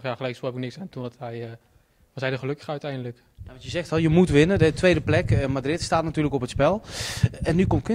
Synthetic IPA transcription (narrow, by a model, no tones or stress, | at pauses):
xjaχəlɛjksopəknɪksantundɔtɦɛj | ʋɑsɦɛjdəχəlɵkə̥χœɥtɛjndələk | jaʋɑntjəzɛxtljəmutʋɪnədətʋejdəplɛkəmadrɪtstaːtnatyːrləkɔpətspɛlˠɛnːykɔmk